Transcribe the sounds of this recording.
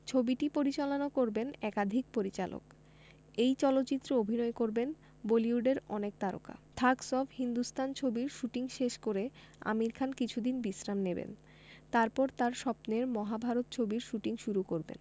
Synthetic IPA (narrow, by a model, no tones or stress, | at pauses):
t͡ɕʰobiʈipoɾit͡ɕalonokoɾbenɛkad̪ʱik̚poɾit͡ɕalo̰k | ejt͡ɕɔlot̪ːt͡ɕit̪ːɾoobʱinɔekoɾben | boliuɖeɾɔnek̚t̪aɾo̰ka̰t̪ʰaksɔfhind̪ust̪ʰant͡ɕʰobiɾʃuʈiŋʃeʃkoɾe | a̰miɾkʰankit͡ɕʰud̪inbisɾamnebḛn | t̪aɾpɔɾt̪aɾʃɔpneɾmɔɦabʱaɾot̪̚t͡ɕʰobiɾʃuʈiŋʃuɾukoɾbḛn